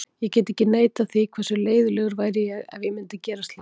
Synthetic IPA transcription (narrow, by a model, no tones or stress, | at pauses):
jɛcɛːt̪ɪɛhcːɪneːjt̪aθikʰvɛrsʏleːjðʏlɛːɣʏɾvaːjɾɪjɛɣa̰ðvjɪmɪnt̪acɛːɾast̪lɪ